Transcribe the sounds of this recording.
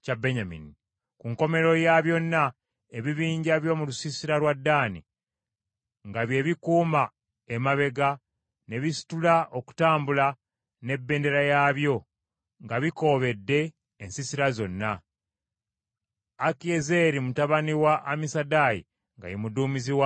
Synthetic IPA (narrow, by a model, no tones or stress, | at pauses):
cabeɲamḭni | kuŋko̞me̞ɾo̞jaβjo̞nːa | eβiβiːɲɟaβjo̞mulusisiɾalwadːaːnḭ | ŋɡaβje̞βikuːma | emaβe̞ɡa | ne̞βisi̥tulaʔoku̥taːmbula | ne̞bːe̞ːnde̞ɾajaβjo̞ | ŋɡaβiko̞βe̞dːe̞ː | nsisiɾazo̞nːa | akiezeɾimutaβaniwaʔːmisadajḭ | ŋɡa̰jemuduːmiziwa